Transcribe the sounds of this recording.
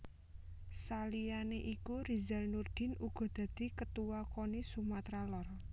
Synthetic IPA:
salijaneʔikuɾiza̤lnurd̪̥ɪ̤nuɡ̥ɔ̤d̪̥ä̤d̪̥i̤kət̪uwakonisumat̪ɾalɔr

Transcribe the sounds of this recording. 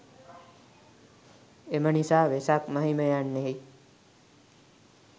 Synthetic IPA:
eməɳisaʋesakməɦiməjanːeɦi

